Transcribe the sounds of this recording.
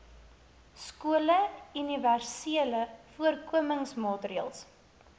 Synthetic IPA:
skuələyniværsiələfuərkuəməŋsmɑːtɾiə̰lˠs

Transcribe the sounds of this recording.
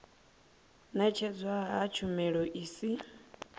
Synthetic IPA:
nat͡ʃʰɛd͡zwaɦat͡ʃʰumɛɺɔʔiːsi

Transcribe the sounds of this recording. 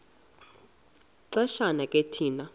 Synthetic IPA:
ǀɛʃanakʼetʰiːna

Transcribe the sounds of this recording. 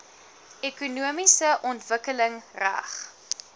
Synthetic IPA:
ekunuəmisəʔɔntvəkələŋræ̰χ

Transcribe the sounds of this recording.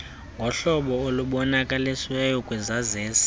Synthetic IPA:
ŋɡʱɔɬɔɓɔoluɓɔnakʼaliswɛjɔkʼwɛzazeːsḁ

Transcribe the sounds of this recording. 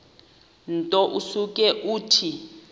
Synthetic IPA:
ntʼɔʔusuk̬ʼɛʔuːtʰi

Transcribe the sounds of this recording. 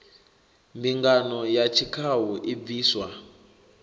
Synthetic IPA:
mbiŋɡanɔjat͡ʃʰikʰaɦuʔib̪viːswa

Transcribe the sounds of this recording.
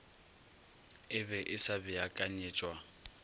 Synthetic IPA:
ɪbɛʔɪsabɪakʼaɲɪːt͡ʃʼwa

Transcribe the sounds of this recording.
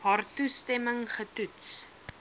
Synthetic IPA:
ɦaːrtustɛməŋχətuts

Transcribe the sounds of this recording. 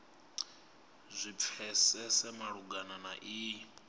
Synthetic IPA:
zʷip̪fʰɛsɛsɛmaɺuɡananaʔi

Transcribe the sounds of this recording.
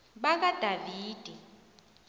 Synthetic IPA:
ɓak̬ad̥ʱaviːd̥ʱi

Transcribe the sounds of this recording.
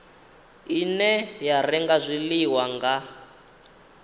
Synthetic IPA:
inɛjarɛŋɡazʷiliwaŋɡa

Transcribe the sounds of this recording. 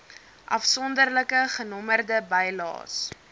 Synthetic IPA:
ʔɐ̰fsɔndərləkəχənɔmərdəbəjlɑ̰ːs

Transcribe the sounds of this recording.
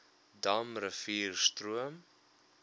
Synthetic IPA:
dɐmrəfiːrstruəm

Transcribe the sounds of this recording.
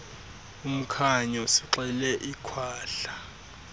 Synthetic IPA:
um̩kʰaɲɔsiǁɛlɛʔikʰwaːɬa

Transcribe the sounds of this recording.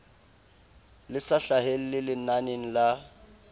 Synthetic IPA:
lɪsaɬaɦel̩lɪlɪnaneŋ̩la

